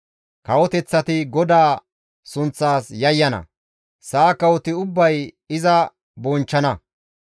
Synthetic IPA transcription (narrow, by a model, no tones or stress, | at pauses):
kɐwɔt̪ɛt͡sːɐt̪ɪɡɔd̪aː | sʊnt͡sːaːsjɐjːɐnɐ̰ | saːkɐwɔt̪ɪʊbːɐj | ɪzɐ | bɔnt͡ʃːɐnɐ